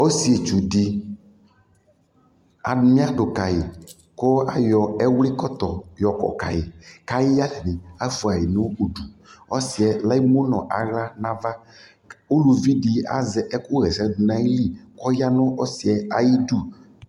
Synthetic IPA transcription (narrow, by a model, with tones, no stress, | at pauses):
o˦si˨e˨t͡ʃu˨ɖi˨ | a̰˨mĩ˦a˦ɖʊ˨ka˨ji˨ | ko˦a˨jɔ˨ɛ˦wli˦kɔ˦t̪ɔ˨jɔ˨kɔ̰˨ka̰˨jḭ˨ka˦ji˦ja˦lɛ˨nĩ˨a˦fu˨a˨ji˨nõ˦o˨ɖu˨ɔ˦si˨ɛ˨la˦i˦mõ˦nɔ̰̃˨ʔa̰˨ɣla˦nã˦va˦ | o˦lu˨vi˦ɖi˨a̰˨zɛ˨ʔɛ˦ko˦ɣɛ˨sɛ˦du˨nã˦ji˦li˦kɔ˦ja˦nõ˦ɔ˦si˨ɛ˦a˨ji˦ɖu˦